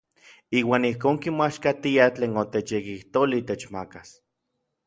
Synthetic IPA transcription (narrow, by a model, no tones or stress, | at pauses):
iːwaːnihkoːŋkimaʃkat̪iat͡ɬeːnot̪et͡ʃjekiht̪olit̪et͡ʃmakas